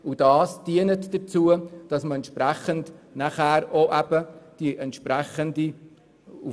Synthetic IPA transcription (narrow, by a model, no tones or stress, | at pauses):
ud̥ɑːsd̥iənətd̥ət͡suəd̥ɑsməɛnt̪ʃpɾæχəndnæχhæːɾoʔæb̥əd̥iʔɛntʃpɾæχəndi | u